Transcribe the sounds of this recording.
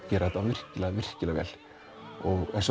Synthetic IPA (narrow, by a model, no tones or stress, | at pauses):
cɛːɾaðɛt̪avɪr̥cɪlavɪr̥cɪlavɛ̰ːl̥ | ɔɣɛ̰ns